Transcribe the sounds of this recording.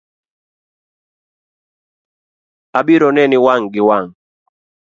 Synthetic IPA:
abiɾɔnɛnɪwaŋɡɪwaŋ

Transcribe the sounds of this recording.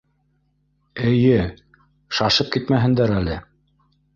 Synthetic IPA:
ɘ̆jɘ | ʃɑʃɤp̚kit̪mæɦɘ̆nd̪æɾælɘ

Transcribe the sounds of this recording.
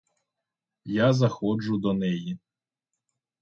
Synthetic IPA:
jazɐxɔd͡ʒʊd̪ɔnɛji

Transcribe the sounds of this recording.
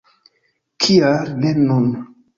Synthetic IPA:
kʰiaɾnenun

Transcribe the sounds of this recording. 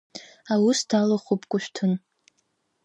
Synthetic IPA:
awʊstʰalaχupʰʼkʷʼʊʃʷᶣtʰɨn

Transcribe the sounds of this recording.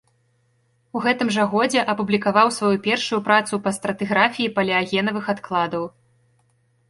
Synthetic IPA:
uɣɛt̪ɨmʐɐɣɔd͡zʲɛʔɐpublʲikavawsvajupʲɛrʂujupɾat̪supɐst̪ɾɐt̪ɨɣɾafʲijipɐlʲɛaɣʲɛnɐvɨxat̪klˠad̪ɐw

